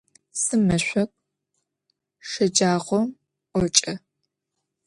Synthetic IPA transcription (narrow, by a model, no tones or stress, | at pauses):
sɨmɨɕʷɔkʷʼ | ʂɐd͡ʒaːʁʷɔm | ʔʷɔt͡ʃʼɐ